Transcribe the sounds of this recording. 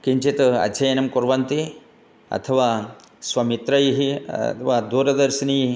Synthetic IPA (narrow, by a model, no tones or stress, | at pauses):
kiɲt͡ʃit̪ɐ̰d̪d͡ʒɐjɐnɐmkoɾʋɐnt̪i | ɐ̰t̪ʰɐʋaː | sʋɐmit̪ɾɐjiɦit̪ʰʋaːd̪uːɾɐd̪ɐɾʃɐnii